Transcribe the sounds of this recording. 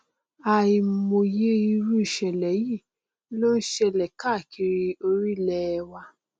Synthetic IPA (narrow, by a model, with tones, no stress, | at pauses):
a˨i˨mo˨je˦i˧ɾu˦i˨ʃɛ˨lɛ˨˦ji˦˨˦ | lo˦n̩˦ʃɛ˧˨lɛ˨ka˦˨kʰi˧ɾi˧o˧ɾi˦lɛ˧wa˧